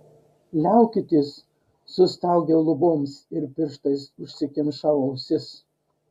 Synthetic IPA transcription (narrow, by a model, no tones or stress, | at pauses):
lʲæˑʊkʲɪt̪ʲɪsː | ʊst̪ɐˑʊɡʲeːlˠʊboːmsɪɾpʲɪɾʃt̪ɐɪsʊʃʲsʲɪkʲɪnʃɑʋɐʊsʲɪs